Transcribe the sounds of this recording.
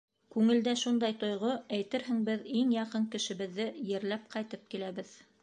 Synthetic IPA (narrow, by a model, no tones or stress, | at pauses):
kʉŋɘ̆ld̪æʃund̪ɑjt̪ŏjʁoæjt̪ɘɾhɘ̆ŋbɘðiŋjɑqɤŋkɘ̆ʃɘ̆βɘ̆ðːɘjɘ̆ɾlæp̚qɑjt̪ɤp̚kilæβɘð